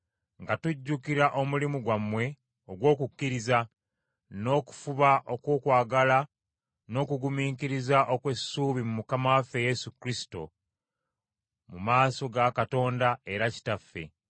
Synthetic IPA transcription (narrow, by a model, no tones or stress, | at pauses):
ŋɡatuɟːukiɾaʔo̞mulimuɡwamwe̞ | o̞ɡwo̞ːkukːiɾiza | no̞ːku̥fuβaʔo̞koːkwaːɡala | no̞ːkuɡumiːkiɾizaʔokwe̞suːβimumukamawafe̞jesukɾisi̥to̞̰ | mumaːso̞ɡakato̞ːndae̞ɾaci̥tafːe̞̰